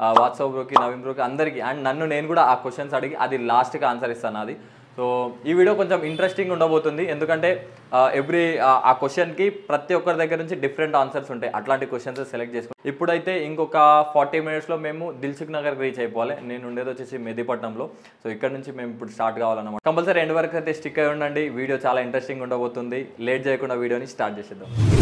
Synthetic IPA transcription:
ʋaːʈsɐːpɾoːkinɐʋimbɾokiɐnd̪ɐɾikiɐɳɖnɐnːune̞ːnukuːɽaaːkʋesʈːɐnsɐɽɐɡiʔɐd̪ilaːsʈɡaːnsɐɾist̪aːnaɐd̪i | soːiːʋiːɖjoːko̞ɲt͡ʃemiɳʈɾesʈiŋɡuɳɖɐbo̞ːt̪und̪ie̞nd̪ukɐɳʈe̞ː | eʋɾia̰ːkʋesʈɐnkipɾɐt̪iɔkːɐɾid̪ɐɡːɐɾɐnuɲt͡ʃiɖipʰɐɾeɳʈaːnsɐɾsuɳʈaːjʔɐ̰ʈlaːɳʈikʋesʈʃɐnsoselek̚ʈ̚t͡ʃeːsukuipːuɽuɐjt̪e̞ːiŋkɔkɐpʰaːɾʈiːminiʈslo̞ːme̞ːmud̪ilt͡ʃuknɐɡɐɾɡɾiːt͡ʃeːjɐpɔːʋaːline̞ːnuɳɖeːd̪oːt͡ʃeːsimed̪ipɐʈnɐmlo̞ː | soːikːɐɽɐnuɲt͡ʃime̞ːmipːuɽusʈaːɾʈkaːʋaːlɐnːɐmaːkɐmbɐlsɐɾeɳɖiʋɐɾɐkɐjt̪eːsʈikːɐjuɳɖɐɳɖiʋiːɽijo̞ːt͡ʃaːlaːiɳʈɾesʈiŋɡuɳɖɐboːt̪und̪ile̞ːʈ̚d͡ʒeːjɐkuɳɖaːʋiːɽijo̞ːnisʈaːɾʈ̚t͡ʃeːsɛd̪ːam

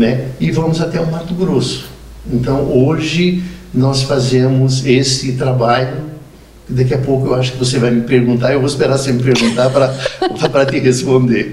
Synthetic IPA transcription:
nɛɪvɐ̃mʊzat̪ɛũmaɾt̪ʊɡɾosʊ̥ẽnt̪ɐ̃w̃oʒɪnɔsfazẽmʊzesɪt̪ɾabaʎʊ | kɪd̪akiapowkʊewaʃʊ̥kɪvosevajmɪpeɾɡũnt̪aɾewvoɪspeɾasẽmɪpeɾɡũnt̪aɾpɾɐppɾɐt̪ɪɦespõnd̪eɾ

